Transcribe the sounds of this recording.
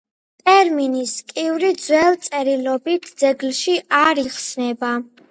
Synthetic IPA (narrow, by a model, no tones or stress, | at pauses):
t̪ʼɛɾminiskʼivɾid̪zwɛlˠt̪sʼɛɾilɔbit̪ʰd̪z̥ɛɡlʃiaɾiχsnɛba